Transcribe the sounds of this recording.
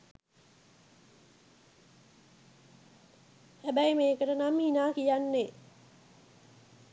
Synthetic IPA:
hæbæjmeːkəʈənamhinaːkijanːe

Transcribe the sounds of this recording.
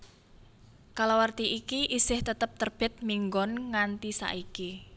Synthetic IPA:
kalawart̪iʔikiʔisɪht̪ət̪əp̚t̪ərb̥ɛ̤t̪̚miŋɡɔnŋant̪isa̰ʔiki

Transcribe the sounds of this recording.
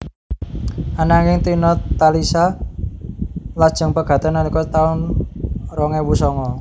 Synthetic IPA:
ʔanaŋɪŋt̪inɔt̪ːalisa | lad̥ʒ̥ə̤ŋpəɡ̥ä̤t̪ənːanikɔt̪aʊn | rɔŋɛwusɔŋɔ

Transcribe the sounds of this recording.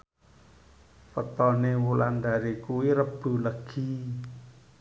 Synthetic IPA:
fət̪ɔnewuland̪aɾikuwiɾəb̥ṳləɡ̥i̤

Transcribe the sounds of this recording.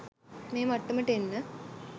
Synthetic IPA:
meːmɐʈːumiʈːenːɨ

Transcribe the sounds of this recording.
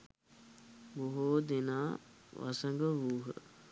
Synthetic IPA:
boɦoːd̪enaːʋa̰səŋɡəʋuːɦə̰

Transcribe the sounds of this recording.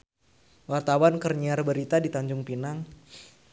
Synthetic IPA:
wart̪awankərɲiarbəɾit̪adit̪aɲd͡ʒʊŋpinaŋ

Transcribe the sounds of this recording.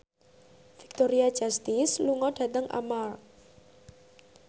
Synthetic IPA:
fi̥k̚t̪oɾiḁʒ̥ast̪isluŋɔd̥ä̤t̪əŋʔa̰mar

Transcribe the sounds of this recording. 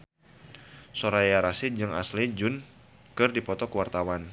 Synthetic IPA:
soɾajaɾasid͡ʒɨŋa̰slid͡ʒʊn | kɨrdipɔt̪ɔkwart̪awan

